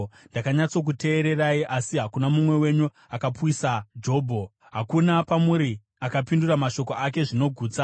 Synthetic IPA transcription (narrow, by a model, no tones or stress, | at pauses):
ndakaɲat͡so̞k̬ute̞ːɾe̞raiʔasiɦakunamumwe̞we̞ɲu | akapwisad͡ʒo̞ːbʱo | ɦakunapamuɾi | akapinduramaʃo̞ko̞ak̬e̞ʐino̞ɡʱuːt͡sa